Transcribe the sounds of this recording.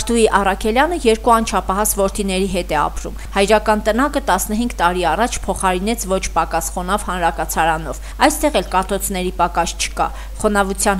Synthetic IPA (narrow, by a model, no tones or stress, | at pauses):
ɾt̪ʰuiʔɑrɑkʰɛljɑnəjɛɾkuɑnt͡ʃʰɑpʰɑɦɑsvɔɾt̪ʰinɛɾiɦɛt̪ɛɑ̰pɾṵmhɑjɾɑkɑnt̪ənɑkət̪ɑsnəɦiŋɡt̪ɑɾiɑrɑt͡ʃʰpʰɔχɑɾin̪ɛt͡sʰvɔt͡ʃʰpɑkɑsχɔnɑvhɑnɾɑkɑt͡sʰɑɾɑnɔv | ɑjst̪ɛʁɛlkɑt̪ɔt͡sʰnɛɾipɑkɑst͡ʃʰə̥kɑ̰ | χɔnɑvut͡sʰjɑn